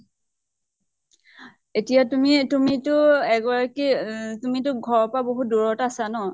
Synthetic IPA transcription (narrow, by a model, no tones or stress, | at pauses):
etijatumitumitʊɛɡɔɹakitumitʊɡʱɔɹɔpaboɦut̚duɹɔtasanɔ